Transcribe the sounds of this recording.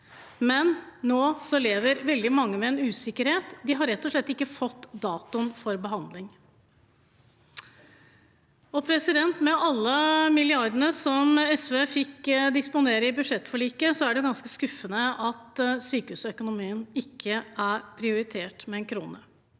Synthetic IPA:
mɛnːoːsɔleːʋəɾʋɛld̪ɪmɑŋːəmɛɛnʉːsɪkːəɾheːt̪d̪ɪɦɑɾːɛt̪ːɔʂɭɛt̪ːɪkːəfɔt̪ːd̪ɑːt̪ʊnfɔɾbəɦɑnd̪lɪŋ | ɔpʰɾɛsɪd̪ɛnt̪mɛʔɑlːəmɪlɪɑɾd̪əɳəsɔmɛsʋeːfɪkd̪ɪspʊneːɾəɪbʉʂɛt̪ːfɔɭiːkəsɔæɖɛɡɑnskəskʉfːənəɑt̪syːkəʉːsɔœkʊnʊmiːənɪkːəʔæɾpʰɾɪʊɾɪt̪ʰeːʈmɛɛnkʰɾṵːnə

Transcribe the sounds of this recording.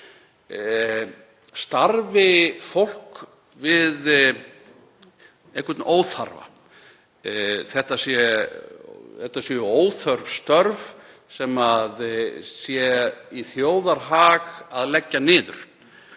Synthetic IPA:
st̪aɾvɪfowl̥k | vɪð | ehkvɛt̪noːwθa̰ɾva̰ | θɛht̪asjɛ | θɛht̪asjɛʏoːwθœɾvst̪œɾv | sɛmaðsjɛiθjoːwðaɾɦaːɣaðlɛcːanɪːðʏ̰ɾ̥

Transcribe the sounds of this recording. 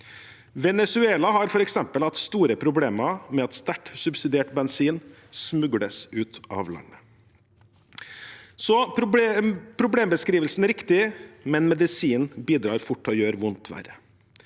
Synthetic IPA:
ʋɛnɛsʉeːlɑɦɑɾfɔɾɛksɛmpəlɑt̪st̪uːɾəpʰɾʊbleːmɑmɛɑt̪st̪æʈsʉbsɪd̪eːʈbɛnsiːn | smʉɡɽəsʉːt̪ʔɑ̰ʋlɑ̰nːə | sɔ | pʰɾʊbleːmbəskɾiːʋəlsn̩æɾɪkt̪ɪmɛnmɛd̪ɪsiːnbiːd̪ɾɑːɾfʊʈːɔjøːɾʋʊnt̪ʰʋæ̰ɾə̰

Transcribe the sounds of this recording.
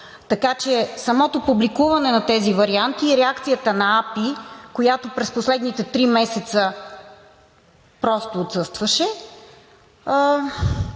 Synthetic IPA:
t̪ɐkat͡ʃɛsɐmɔt̪opublikuvɐnɛnɐt̪ɛzivɐɾiant̪iːɾɛakt̪sijət̪ənɐapikojat̪opɾɛsposlɛd̪nit̪ɛt̪ɾimɛsɛt̪sə | pɾɔst̪oːt̪sɤst̪vɐʃɛ

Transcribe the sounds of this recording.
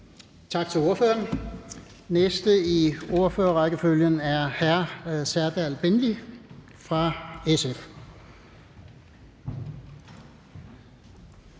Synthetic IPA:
t͡sʰɑ̈ɡ̥t͡sʰe̝lo̝ɐføːɐn | nesd̥əio̝ɐføːɐʁɑɡ̥əføljənæɐhæɐ̰sæɐd̥ælb̥enli | fʁɑ̈esef

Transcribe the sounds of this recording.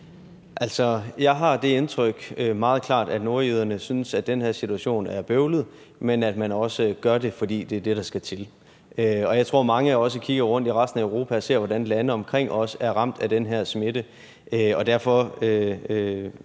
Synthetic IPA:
ʔæl̰sɒ̽jɑ̈ɪɦɑ̈d̥e̝e̝nt͡sʰʁœɡ̥ømɑ̈ːð̞̩ˠkʰlɑ̰̈ːd̥æd̥no̝ɐið̞ˠɐnəsynsæd̥d̥enhæɐ̰sit͡sʰuæɕo̝̰ːnæɐb̥øʊləð̞̩ˠ | menæd̥mænɒ̽səɡ̥ɶɐde̝fɒ̽dḭːd̥e̝æɐd̥e̝ɾ̥ɑ̈sɡ̥æt͡sʰe̝l | ʔøɒ̽jɑɪt͡sʰʁo̝ɐ̰mɑ̈ŋəɒ̽s̬əkʰiɡ̥ɐʁɔ̽n̰d̥iʁɑ̈sd̥n̩æøʊʁo̝ːpʰæse̝ɐ̰ʋɒdænlænəɒ̽mkʰʁeŋ̰ɒ̽səæɐʁɑ̈m̰d̥æd̥enɦæɐ̰sme̝də | ʔøɒ̽d̥æɐfɒ̽ø

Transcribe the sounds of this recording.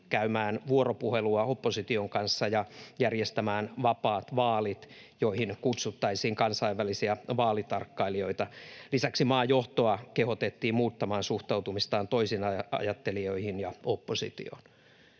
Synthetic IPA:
kæymæːnʋuoɾopuheluɑopːosit̪ioŋkɑnsːɑjɑjærjest̪æmæːnʋɑpɑːt̪ʋɑːlit̪ | joihinkut̪sut̪ːɑisiːŋkɑnsɑiʋːælisiæʋɑːlit̪ɑrkːɑilio̞it̪ɑlisæksimɑːjoht̪oɑkehot̪et̪ːiːmuːt̪ːɑmɑːnsuht̪ɑut̪umist̪ɑːnt̪o̞isinɑɑ̰jɑt̪ːelio̞ihinjɑopːosḭt̪ḭo̰n

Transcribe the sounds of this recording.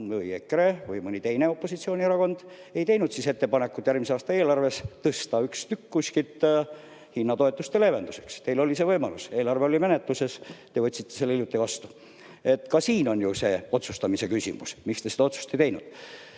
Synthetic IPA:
mɯiekɾevɯjmɯnʲit̪e̞jne̞o̞pːo̞sit̪sio̞ːnʲieɾɑko̞nd̪̥ | e̞jt̪e̞jnud̪sise̞t̪ːe̞pɑne̞kːˑut̪jærmiseɑːst̪ɑe̞ːlɑrve̞st̪ɤst̪ɑykst̪ykːusʲkit̪ | hinːɑt̪o̞et̪ˑːust̪e̞le̞ːve̞nd̪use̞kst̪e̞jlo̞lʲisevɤjmɑluse̞ːlɑrveolime̞net̪luse̞st̪e̞vɤ̞t̪ʲːsit̪ːe̞selːeiljut̪ːˑeivɑst̪u | e̞t̪ːˑkɑsiːno̞nʲjuse̞ːo̞t̪sust̪ɑmise̞kysʲḭmṵsmikst̪e̞sed̪ɑo̞t̪su̥st̪ejt̪e̞jnṵd̪̥

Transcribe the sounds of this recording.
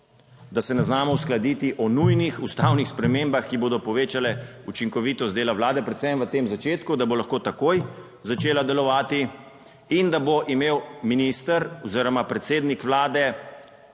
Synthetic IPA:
d̪asɛnɛznaːmɔwsklad̪iːt̪iʔɔnujnixust̪awnixspɾɛmeːmbaxkiboːd̪ɔpɔʋeːt͡ʃalɛut͡ʃiŋkɔʋiːt̪ɔst̪d̪eːlaʋwlaːd̪ɛpɾɛt̪sɛmʋət̪emzat͡ʃeːt̪kud̪abolaxkoːt̪akoj | zat͡ʃeːlad̪ɛlɔʋaːt̪i | ind̪aboʔimeːwminist̪əɾɔziːɾɔmapɾɛt̪seːd̪nikʋlaːd̪ɛ

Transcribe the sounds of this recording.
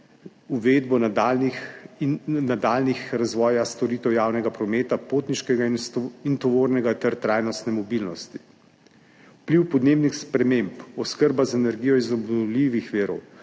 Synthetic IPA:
uʋed̪bɔnad̪ani | nad̪aːlnixɾazʋɔːjast̪ɔɾiːt̪ɛwjaːwnɛɡapɾɔmeːt̪apot̪niʃkɛɡaint̪ɔʋoːɾnɛɡat̪ɛɾt̪ɾaːjnɔst̪nɛmɔbilnɔst̪i̥ | upliwpɔd̪neːbnixspɾɛmeːmpɔskəɾbazaɛnɛɾɡijɔizɔbnɔliʋixʋiːɾɔ̰w

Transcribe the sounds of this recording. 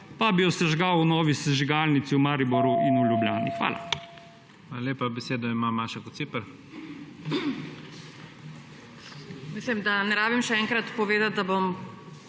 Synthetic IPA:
pabijɔsɛʒɡawunɔːʋisɛʒiɡaːlnit̪siumaːɾibɔɾuʔinuljubljaːnḭxʋa̰ːla̰ | alaleːpabɛseːd̪ɔimamaːʃakɔt̪sipəɾ | mislimd̪anɛɾaːbimʃɛɛːŋkɾat̪pɔʋeːd̪at̪̚d̪abom

